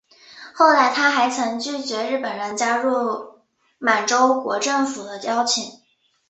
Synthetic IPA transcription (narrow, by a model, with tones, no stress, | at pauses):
xo˥˧ʊla˥˩ɪt̪ʰa˥xa˧˥ɪt͡sʰɤ˧˥ŋt͡ɕy˥˩t͡ɕɥɛ˧˥ɻɻ̩˥˩pə˨˩nɻə˧˥nt͡ɕja˥ɻu˥˩ | ma˨˩ɪʈ͡ʂo˥ʊkwɔ̰˧˥ʈ͡ʂɤ˥˩ŋfu˨˩d̪ə˦jɑ˥ʊt͡ɕʰi˨˩˦ŋ